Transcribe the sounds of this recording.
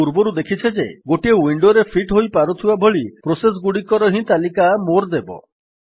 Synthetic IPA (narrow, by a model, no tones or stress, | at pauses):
uɾbɔɾud̪ekʰit͡ʃʰed͡ʒeɡoʈiewiɳɖoɾepʰiʈɦojpaɾɔt̪ʰibabʱoɭipɾoses̬ɡuɽikɔɾɔɦĩt̪alikamoɾd̪ebɔ̰